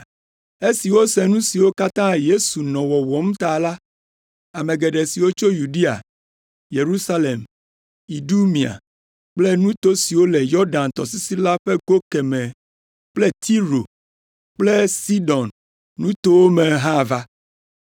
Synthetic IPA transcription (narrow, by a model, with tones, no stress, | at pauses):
e˦si˨wo˦sɛ˨nũ˦si˨wo˦ka˦t̪ã˦je˦su˨nɔ̃˨wɔ˨wɔ˨m˦t̪a˨la˦ | a˨mẽ˨ɡe˨ɖe˨si˨wo˦t͡ʃo˦ju˨ɖi˦a̰˨ | je˨ɾu˦sa˦le˨m | i˨ɖu˦mĩ˨a̰˨ | k͡ple˦nũ˦t̪o˦si˨wo˦lɛ˨jɔ˦ɖã˨nt̪ɔ˨si˦si˦la˦ɸe˦ɡo˦kɛ˨mɛ̃˨ | k͡ple˦t̪ʰi˦ɾo˨ | k͡ple˦si˦ɖɔ̃˨n | nũ˦t̪o˦wo˦mẽ˨ɦã˦˨va˦